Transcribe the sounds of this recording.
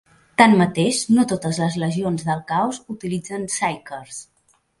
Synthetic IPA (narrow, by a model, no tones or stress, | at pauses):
t̪anmət̪eʃnot̪ot̪əzləzləʒionzðəlˠkawzut̪ilid͡zənsajkəɾs